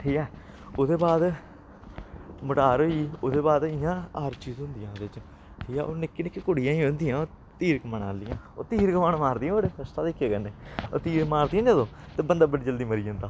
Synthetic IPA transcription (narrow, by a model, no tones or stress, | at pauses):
ʈʰiːkɛː | oːd̪eːbaːd̪ | məʈaːɾoːiːoːd̪eːbaːd̪ɪjãːəɾt͡ʃiːzɦʊ̃nd̪ɪjãːd̪eːt͡ʃ | ʈʰiːkɛːʔoːnɪkːeːnɪkːeːkʊɽɪjãːĩːɦʊ̃nd̪ɪjãːoː | t̪iːɾkəməna̰ːlɪjãː | o̰ːt̪iːɾkəmaːɳmaːɾd̪ɪjãːoɽeəst̪aːt̪ekːeːkɛneːot̪iːɾmaːɾd̪ijãːd͡ʒəd̪õː | t̪eːbənd̪aːbəɽiːd͡ʒəld̪iːməɾiːɦõnd̪aː